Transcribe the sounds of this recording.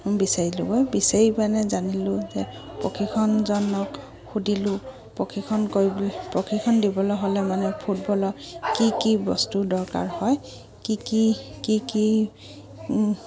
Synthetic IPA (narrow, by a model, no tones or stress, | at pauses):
bisaɹilʊ̰ɡɔjbisaɹimanɛzanilʊzɛ | pɹokʰikʰɔnzɔnɔk | xudilʊ | pɹokʰikʰɔnkoɹipɹɔkʰikʰɔndibɔlɔɦolɛmanɛpʰut̚bɔlɔkikibɔ̰studɔɹka̰ɹhɔj | kikikiki